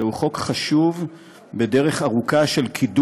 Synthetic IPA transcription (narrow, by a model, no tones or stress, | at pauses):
uχo̞kχaʃuv | bedeʁe̞χaʁukaʃe̞lkʰid